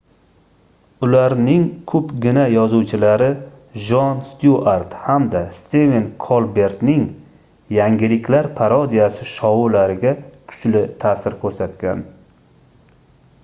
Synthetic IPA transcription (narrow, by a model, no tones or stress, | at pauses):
ʊlaɾnɪŋkʰɵpɡʲɪnajɒzuwt͡ʃʰɪlaɾɪ | ʒɒnst̪juaɾt̪hamd̪ast̪evenkʰolˠbe̞ɾt̪nɪŋ | jaŋɡʲɪlɪkʲlaɾpʰaɾɒd̪ijasɪʃɒwulaɾɪɡʲakʰʊ̥t͡ʃlɪt̪ʰasɪɾkʰɵɾsat̪kʲa̰n